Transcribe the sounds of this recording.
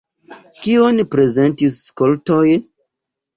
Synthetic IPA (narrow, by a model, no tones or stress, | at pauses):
kionpɾezentisːkoltojn